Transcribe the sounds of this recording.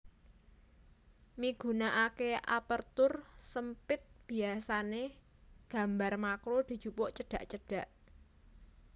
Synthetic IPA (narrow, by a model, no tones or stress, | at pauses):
miɡ̥ṳnaʔakeʔa̰pərt̪ʊrsəmpɪt̪̚b̥i̤asane | ɡ̥a̤mbarmakɾod̪̥i̤̥ʒ̥ṳpɔʔt͡ʃəɖ̥ä̤ʔt͡ʃəɖ̥ä̤ʔ